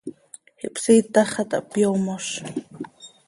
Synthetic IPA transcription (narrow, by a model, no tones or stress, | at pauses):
hiʔpsiːt̪aχat̪a̰ʔpjomoʃ